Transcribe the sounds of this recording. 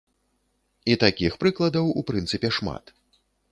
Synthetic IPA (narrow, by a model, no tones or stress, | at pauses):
it̪akʲixpɾɨklˠɐd̪ɐwupɾɨnt̪sɨpʲɛʂma̰t̪